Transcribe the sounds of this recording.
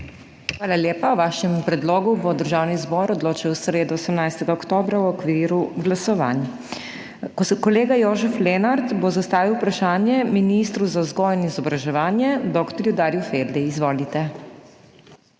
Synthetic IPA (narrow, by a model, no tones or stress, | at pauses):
xʋaːlaljeːpawʋaːʃɛmpɾɛd̪loːɡubɔd̪əɾʒawnizbɔːɾɔd̪loːt͡ʃiwsɾeːd̪uɔsəmnajst̪ɛɡaɔkt̪oːbɾawɔkʋiːɾuɡlasɔʋa̰n | kɔleːɡajoːʒɛflɛnaɾt̪bozast̪aːʋiwpɾaʃaːnjɛminist̪ɾuzazɡɔjɛnizɔbɾaʒɛʋaːnjɛd̪ɔkt̪ɔɾjud̪aːɾjufeɾd̪ɛizʋoːlit̪ɛ